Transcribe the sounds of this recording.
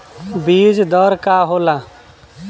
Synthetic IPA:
biːd͡ʒd̪ɔɾkaɦoːla

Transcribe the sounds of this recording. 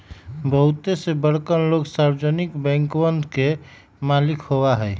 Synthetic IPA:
bəɦʊt̪esebəɾ̤kənloɡsaɾwd͡ʒənikbɛ̃ːŋkbənd̪ʱke | maːlɪkhowaɦɛ

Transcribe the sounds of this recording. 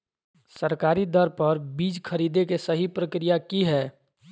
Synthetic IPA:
səɾkaːɾid̪ɐɾpɐɾbiːd͡ʒkʰɐɾiːd̪ekesəɦipɾəkɾijakiɦɛː

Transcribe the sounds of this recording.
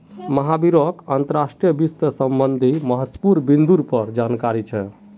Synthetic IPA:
məɦabiɾɔkənt̪əɾasʈɾijəbist̪əsəmbənd̪ʱiməɦət̪ːpuɾbind̪uɾpəɾd͡ʒankaɾit͡ʃʰɛ̰

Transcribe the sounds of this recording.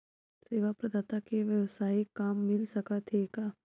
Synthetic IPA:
seːʋapɾɐd̪aːt̪akeʋjɐʋsaːikaːmːɪlsɐkat̪ʰekaː

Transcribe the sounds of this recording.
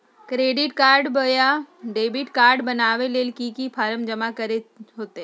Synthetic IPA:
kɾeːɖɪʈkaːɾɖbəjaɖeːbɪʈkaːɾɖbɐnaːʋeleːlkikipʰaːɾəmd͡ʒɐmakɐɾeɦoːt̪e

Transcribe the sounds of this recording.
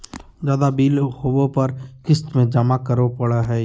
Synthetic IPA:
zjaːd̪abiːlhoːʋõpɐɾkɪst̪mẽd͡ʒɐmakəɾʋopɐɽaɦɛː

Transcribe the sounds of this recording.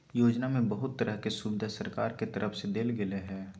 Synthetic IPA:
joːd͡ʒnamẽbəɦʊt̪ːɐɾʔəɦkesubɪd̪ʱasɐɾkaːɾket̪ɐɾʔəfsed̪eːlɡɪleɦɛː

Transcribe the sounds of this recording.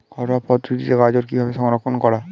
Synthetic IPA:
ɡ̥ʱɔɾapɔd̪ɾid̪iteɡad͡ʑoɾkibʱabeʃɔŋɾokʰːonkɔɽa

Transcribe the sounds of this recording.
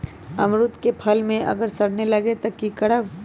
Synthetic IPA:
ɐmɾʊt̪kepʰɐlmẽʔɐ̰ɡəɾsɐɽnelɐɡet̪ɐkːikɐɽəʋ

